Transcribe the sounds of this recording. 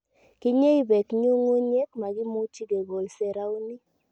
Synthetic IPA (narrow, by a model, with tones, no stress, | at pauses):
kɪ˦ɲe˦i˦bɛ˨kɲu˦ŋo˦ɲe˦kma˨ɡɪ˦mo˦ti˦ɡe˨ɡo˨lsɛ˨ɾa˦u˦ni˦